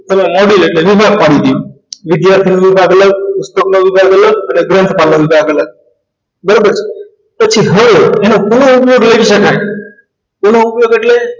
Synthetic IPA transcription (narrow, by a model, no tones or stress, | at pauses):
t̪ʰəmẽmɔɖileʈleʋɪbʱaɡ̚paɽit̪i | ʋɪd̪jaɾt̪ʰinoʋɪbʱaɡələɡʊst̪oknoʋɪbʱaɡələɡəneɡɾɛ̃nt̪palnoʋɪbʱaɡələɡ̚ | bəɾobəɾt͡ʃʰe̥ | pət͡ʃʰiɦəʋeenokonoupjoɡleʋiʃəkae | konoupjoɡeʈle